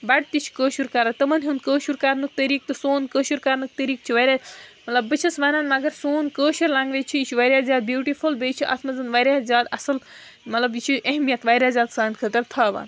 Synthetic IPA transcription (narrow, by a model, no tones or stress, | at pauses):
bɐɽ̚t̪it͡ʃʰkəːʃuɾkɐɾat̪ɨmɐnɦund̪̚kəːʃuɾkɐɾnɨk̚t̪ɐɾiːk̚t̪ɨsoːnkəːʃuɾkɐɾnɨk̚t̪ɐɾiːk̚t͡ʃʰiʋɐɾʲjaːmɐt̪lɐbːɨt͡ʃʰɐsʋɐːnaːnmɐɡɐɾsoːnkəːʃuɾlãːŋɡʋet͡ʃʰijit͡ʃʰuʋɐɾʲjaːzjaːd̪̚bjuːʈifʰulbeːt͡ʃʰiʔɐ̰t̪ʰmɐzɨnʋɐɾʲjaːzʲjaːd̪ɐsɨl | mɐt̪lɐbit͡ʃʰiʔeɦmijɐt̪ʋaːɾʲjaːzʲjaːd̪saːnkʰəːt̪ɐɾt̪ʰaːʋa̰ːn